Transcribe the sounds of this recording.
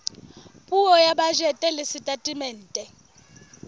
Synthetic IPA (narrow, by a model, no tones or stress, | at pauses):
pʼuɔjaɓaʒɛtʼɛlɪsitʼatʼimɛːn̩ːtʼɛ